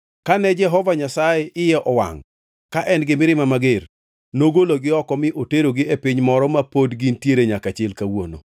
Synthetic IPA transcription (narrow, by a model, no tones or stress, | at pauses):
kanɛd͡ʒɛɦɔvaɲasajɛʔɪjɛʔɔwa̰ŋ | kaʔɛnɡɪmɪɾɪmamaɡɪr | noɡoloɡɪɔkɔmɪʔoteɾoɡɪepɪɲmɔɾɔmapodɡintjeɾeɲakat͡ʃɪɛlkawo̰no̰